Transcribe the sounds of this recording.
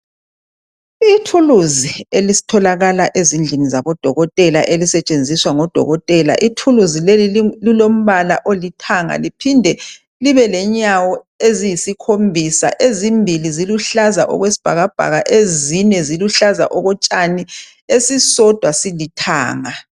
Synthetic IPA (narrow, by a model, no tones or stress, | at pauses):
itʰuluzielisi̥tʰɔlaɣalaʔezind͡ɮʱinizaβɔd̥ʱɔ̰ɣɔtʼɛlaʔelisɛt͡ʃʼend͡zʱiswaŋɔd̥ʱɔ̰ɣɔtʼɛla̰ʔitʰuluzilelililom̩βalaʔolitʰaŋa̰lipʰindʱɛ | liβɛlɛɲawɔ | ezijisikʰombʱisa̰ʔezimbʱiliziluɬaza̰ʔɔ̰ɣwesi̥b̥ʱa̰ɣab̥ʱa̰ɣaʔezinɛziluɬaza̰ʔɔɣɔt͡ʃʼani | esisɔd̥ʱwasilitʰa̰ːŋa